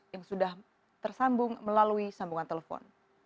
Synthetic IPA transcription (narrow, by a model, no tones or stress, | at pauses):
jaŋsudah | t̪ərsambʊŋməlaluisambuŋant̪elefɔ̰n